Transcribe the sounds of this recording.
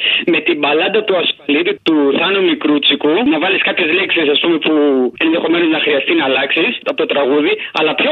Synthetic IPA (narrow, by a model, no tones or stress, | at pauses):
me̞t̪imbɐlɐnd̪ɐt̪uɐsfɐlit̪ut̪uθɐnumikɾut͡sikunɐvɐliskɐpçe̞zleksisɐspume̞pue̞nðe̞xo̞me̞no̞znɐxɾiɐst̪inɐːlɐksisɐpot̪ot̪ɾɐɣuðiɐ̰lɐpço